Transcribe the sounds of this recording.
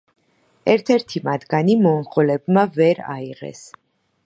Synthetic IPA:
ɛɾt̪ʰɛɾt̪ʰimat̪ʰɡanimɔɴχɔlɛbmavɛɾa̰iʁɛ̰s

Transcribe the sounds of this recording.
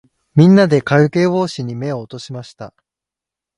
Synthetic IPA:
mʲĩnːad̪e̞kaɾɯ̟ke̞ːβo̞ːɕiɲ̟ime̞oːt̪o̞ɕimaɕi̥t̪a

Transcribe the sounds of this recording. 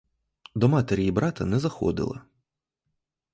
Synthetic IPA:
d̪ɔmɑt̪eɾʲijibɾɑt̪ɐnɛzɐxɔ̰d̪ɪ̰lˠɐ̰

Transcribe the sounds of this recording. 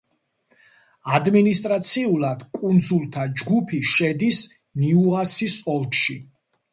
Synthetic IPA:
ad̪minist̪ʼɾat̪sʰiulˠad̪̥kʼund̪zulˠt̪ʰad͡ʒɡupʰiʃɛd̪is | niuasisɔlˠkʃi

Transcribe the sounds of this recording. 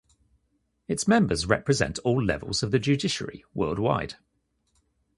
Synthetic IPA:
ɪtsmɛ̃mbəzɹɛ̰pʰɹɪzɛ̰̃ntʰɔːlːɛ̰və̰lˠz̥əvðəd͡ʒʉːdɪʃə̰ɹḭwɜːlˠdwa̰ɪd̥

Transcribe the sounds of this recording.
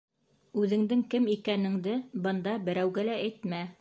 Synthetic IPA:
ʉðɘ̆ŋd̪ɘŋkɘmikænɘ̆ŋd̪ɘbɤ̆nd̪ɑbɘ̆ɾæwɡælææjt̪mæ

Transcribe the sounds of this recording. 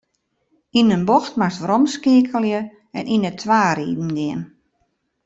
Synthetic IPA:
inənbɔxtmastrɔmskiəkʰəljə | ɛnʔinətʰʋaːɾḭːdn̩ɡɪən

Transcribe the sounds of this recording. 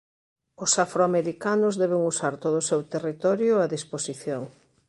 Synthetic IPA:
ʊsafɾoameɾikanʊzðɛβ̞eŋusaɾt̪oðoʊsewt̪erit̪ɔɾjʊaðisposiθjoŋ

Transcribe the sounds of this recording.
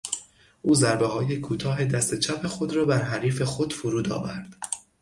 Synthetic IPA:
ʔuːzæɾbeɦɒːje̞kʰuːt̪ʰɒːɦe̞d̪æst̪et͡ʃʰæpʰe̞xo̞d̪ɾɒːbæɾɦæɾiːfe̞xod̪̥fuɾuːd̪ɒ̰ːvæɾd̪̥

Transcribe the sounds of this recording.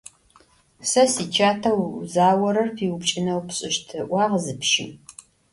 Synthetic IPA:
sɐsiːt͡ʃʰaːtʰɐwzaːwɐɾɐrpʰiːwʊpt͡ʃʼɪnɐwpɕʼɪʃtʰɨʔʷɑːʁzɨpʃɪ̰m

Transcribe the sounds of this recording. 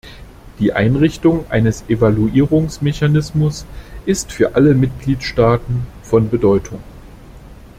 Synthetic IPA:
d̥iːʔa̰ɪnʁɪçtʊŋʔa̰ɪnəsʔevaluʔiːʁʊŋsmeçanɪsmʊsʔɪstfyːɐʔaləmɪt̚ɡ̥liːtʃtaːtn̩fɔnbədɔʏtʰʊŋ

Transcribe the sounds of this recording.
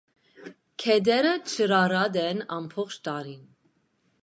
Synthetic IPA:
kʰɛd̪ɛɾət͡ʃʰəɾɑɾɑd̪ɛnɑmpʰɔχt͡ʃʰt̪ɑɾin

